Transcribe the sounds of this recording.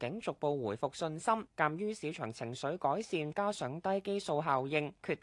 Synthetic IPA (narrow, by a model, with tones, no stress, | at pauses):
kɪ˨˥ŋt͡sʊ˨k̚po˧wwuː˨˩jfʊ˨k̚sɵ˧nsɐ˥mkaː˨˧mjyː˥siː˨˥t͡ʃʰœː˨˩ŋt͡sʰɪ˨˩ŋsɵ˨˥ɥkɔː˨˥jsiː˧nkaː˥sœː˨˥ŋt̪ɐ˥jke˥jso˧wɦaː˨wjɪ˧ŋkʰyː˧t̪̚